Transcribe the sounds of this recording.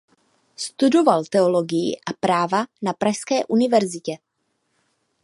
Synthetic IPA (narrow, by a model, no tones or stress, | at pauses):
st̪udo̞valt̪ɛoloɡɪjɪ̰ʔapɾaːvanapɾaʃskɛːʔunɪvɛɾzɪcɛ